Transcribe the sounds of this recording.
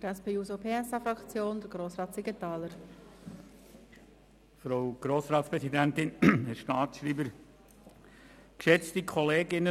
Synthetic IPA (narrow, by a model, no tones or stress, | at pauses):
dəɾɛspeːuːzopʰeːɛsɑfɾɑkt͡sjoːnd̪əɾɡ̥ɾoːsɾɑːtsɪɡət̪ɑːləɾ | fɾowɡ̥ɾoːsɾɑːtspɾɛsidænt̪ɪnhɛɾʃtɑːtʃɾiːbəɾ | kʃɛt͡stikʰɔleːɡɪnə